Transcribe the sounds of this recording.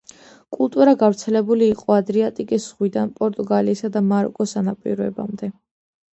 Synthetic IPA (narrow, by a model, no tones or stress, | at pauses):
kʼulˠt̪ʼuɾaɡavɾt̪sʰɛlɛbuliːqʼɔad̪ɾiat̪ʼikʼisʁwid̪anpʼɔɾt̪ʼuɡaliːsad̪amaɾɔ̰kʼɔsanapʼḭɾɔɛ̰ba̰md̪ɛ